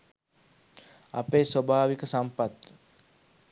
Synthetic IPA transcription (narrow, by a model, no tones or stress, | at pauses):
a̰peːswobʱaːʋikəsampat̪